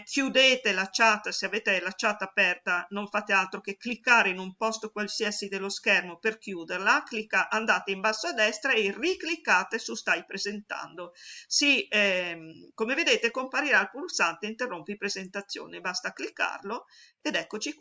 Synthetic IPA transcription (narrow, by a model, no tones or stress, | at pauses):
kʰjud̪eːt̪elat͡ʃat̪ːseaveːt̪elat͡ʃat̪ːapɛrt̪anoɱfat̪ealt̪ɾokekːlikːaːɾeinumpɔst̪okwalsiasid̪elːoskɛrmoperkjuːd̪erlaklikːaʔand̪aːt̪eimbasːoad̪ɛst̪ɾaeriklikːaːt̪esust̪ajpɾezent̪a̰nd̪osiɛkomeved̪eːt̪ekompaɾiɾaːlpulsant̪eint̪erːompipɾezent̪at̪sːjo̰ːnebast̪aklikːa̰rlo | ed̪ɛkːot͡ʃi